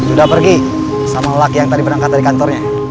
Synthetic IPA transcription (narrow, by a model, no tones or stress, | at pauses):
sudahpərɡi | samalakijaŋt̪adipərnaŋkat̪adikant̪ɔrɲa